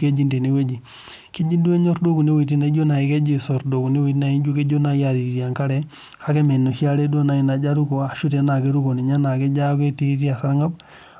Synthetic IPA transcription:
ke˦d͡ʒi˦nde˨ni˨we˦d͡ʒi˨ | ke˦d͡ʒi˦du˦e˦ɲo˦ɾdo˦ku˨ne˦wi˨t̬i˦na˨˦i˦d͡ʒo˦na˨i˨˦ke˦d͡ʒi˦so˨ɾdo˨ku˨ne˦wi˨ti˦na˨i˦d͡ʒu˦ke˦d͡ʒo˦na˨ja˦˨ɾi˨ɾi˨a˨ŋka˦ɾɛ˦ | ha˦ke˦me˨nːo˨ʃi˦a˦ɾe˦du˦o˦na˨i˦na˨d͡ʒa˦ɾu˦ko˨a˨ʃu˦te˨na˨ke˦ɾu˦ko˨ni˨ɲa˦na˨kɛ˦d͡ʒa˦ke˦te˦ti˦a˨sa˦ɾŋa˦b

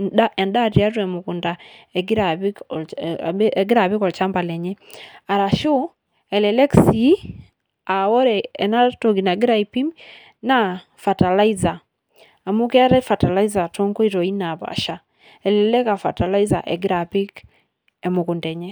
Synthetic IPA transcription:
aɛ˨nda˦ti˨a˦t̬wɛmukundaɛɡi˦ɾaβik | ɡi˦ɾaβi˦kɔ˨lt͡ʃa˦mba˨lɛ˨ɲɛ˦a˨ɾa˨ʃu˦ | ɛlɛlɛ˦ksi˦ | a˨wɔ˦ɾɛː˨na˦toɡi˨na˨ɡi˦ɾa˦ipi˦m | na | fa˨ta˨la˦izaː˨ | mu˦kɛ˦a˦ɾɛfata˨la˦iza˨to˦ŋko˦i˦ɾɔ˨i˦naβa̰˨ʃa˨ | ɛ˨lɛlɛ˦ka˨fa̰˨ta˨la˦iza˨ʔeɡɾapi˦k | emuku˨ndɛ˨ɲɛ

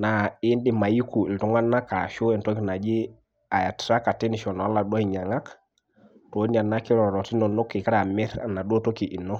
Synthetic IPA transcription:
na˨i˦ndi˦ma˨ji˦ku˨i˨ltu˦ŋa˦nːa˦ka˨ʃu˦ɛ˨nto˦kna˨d͡ʒi˦ | a˨ja˨tɾa˦ka˨te˦ni˨ʃɔ˨nɔ˨a˦la˨ɗwɔ˦i˨ɲa˨ŋa˦k | to˨˦i˦na˨nːa˦ki˦ɾɔ˨ɾɔ˨ti˦nɔ˨no˦kːi˨ka˦ɾa˨mɛ˦ɾa̰˨na˨ɗo˦to˦ki˨ʔi˨nɔ˦

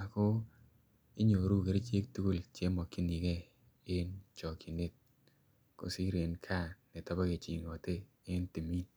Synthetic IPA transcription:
a˨kʊ˦ | ɪ˦ɲo˨ɾu˦ke˨ɾe˦t͡ʃe˦k̚tu˦ku˦lt͡ʃe˦mɔ˨kːi˦ni˨ke˦ | ɪ˦nt͡ʃɔ˨ki˨ne˦t̚ | ko̰˨si˦ɾe˨nkʰa˦˨nɪ˨ta˦ba˦ke˨t͡ʃḭ˨ŋɔ˨te˦ | ɪ˦nti˨mi˦n

